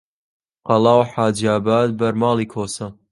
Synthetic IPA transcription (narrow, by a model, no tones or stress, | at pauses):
qɑlˠɑːwħaːd͡ʒaːbaːd̪̚bɐɾmɑːlˠiːkʰoːsɐ